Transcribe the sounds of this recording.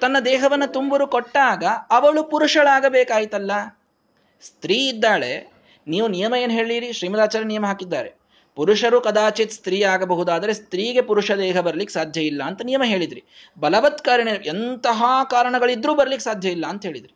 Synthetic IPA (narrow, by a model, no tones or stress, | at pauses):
t̪ɐnːɐd̪ɛːɦɐʋɐnːɐt̪umbɐɾukoʈːaːɡɐɐʋɐɭupuɾuʂɐɭaːɡɐbɛːkaːjit̪ɐlːɐ | st̪ɾiːid̪ːaːɭe̞̰ | niːʋunijɐmɐjeːnɦe̞ːɭiɾiʃɾiːmɐd̪aːt͡ʃaːɾɐnijɐmɐɦaːkid̪ːaːɾe̞ | puɾuʂɐɾukɐd̪aːt͡ʃit̪st̪ɾiːaːɡɐbɐɦud̪aːd̪ɐɾe̞st̪ɾiːɡe̞puɾuʂɐd̪ɛːɦɐbɐɾɐlikːesaːd̪ʱjɐjilːɐːnt̪ɐnijɐmɐɦe̞ːɭid̪ɾi | bɐlɐʋɐt̪kaːɾɐɳeʔent̪ɐɦaːkaːɾɐɳɐɡɐɭid̪ɾuːbɐɾɐlikːesaːd̪ʱjɐilːɐːnt̪ɐɦe̞ːɭid̪ɾi